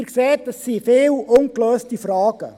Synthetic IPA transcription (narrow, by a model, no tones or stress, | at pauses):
ɾkseːtəsːifɪːlʔʊnkløːstifɾɑːɡ̥ə̰